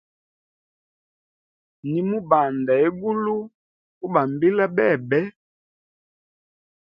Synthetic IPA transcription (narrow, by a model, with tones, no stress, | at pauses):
ni˨mu˦ba˨nda˨e˦ɡu˦lu˦ | u˦ba˨mbi˦la˦bɛ˦˨bɛ˦